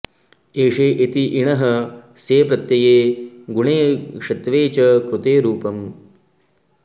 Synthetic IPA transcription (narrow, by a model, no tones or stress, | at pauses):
eːʂeːʔet̪iʔiɳɐɦɐ | seːpɾɐt̪jɐjeːɡuɳeːkʂɐt̪ʋeːt͡ʃɐkɾut̪eːɾuːpɐm